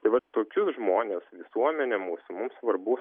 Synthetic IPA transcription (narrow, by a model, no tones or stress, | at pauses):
t̪ɐɪʋɐt̪oːkʲʊsʒmoːnʲeːsʋʲɪsuɔmʲɛnʲemuːsʊmʊmsʋɐrbʊ